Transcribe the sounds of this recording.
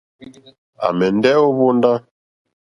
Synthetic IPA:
a̰˨mɛ˨ndɛ˦o˦βo˦nda˦

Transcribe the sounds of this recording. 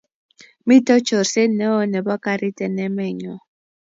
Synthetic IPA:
mi˦tɔ˦t͡ʃʰɔ˨rse˦nɛ˦ɔ˦nɛ˨bɔ˦ka˦ɾi˦tʼɛ˨nɛ˦mɛ˦˨ɲɔ˨

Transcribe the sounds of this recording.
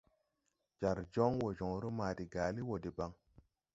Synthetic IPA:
d͡ʒa˨ɾd͡ʒo˦ŋwo˨d͡ʒo˨ŋɾo˦maː˨di˨ɡaː˨li˦wo˨de˨ba˨ŋ

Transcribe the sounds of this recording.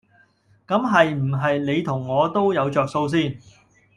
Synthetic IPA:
kɐ˨˥mɦɐ˨jm̩˨˩ɦɐ˨jne˨˧jt̪ʰʊ˨˩ŋːɔː˨˧t̪o˥wjɐ˨˧wt͡ʃœː˨k̚so˧ws̬iː˥n

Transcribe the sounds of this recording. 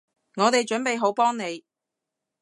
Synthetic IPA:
ŋɔː˨˧t̪e˨jt͡ʃɵ˨˥npe˨jɦo˨˥wpɔː˥ŋne˨˧j

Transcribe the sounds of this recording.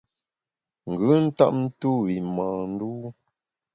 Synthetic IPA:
ŋ̩˨ɡʉ˨˦n̩˦ta̰˦ʔn̩˦tu˦wi˨maː˨n̩˦du˦

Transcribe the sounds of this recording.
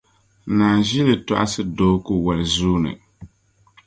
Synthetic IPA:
naː˨ʒi˦lɨ˨ta̰˦ʔa̰˦sɨ˦doː˦ku˦wa˨lɨ˨zuː˦nɨ̰˨

